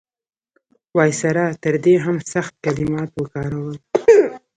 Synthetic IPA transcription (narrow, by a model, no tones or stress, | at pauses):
wɑjsaɾat̪əɾd̪eɦamsaxt̪̚kalɪmɑt̪wəkɑɾawəl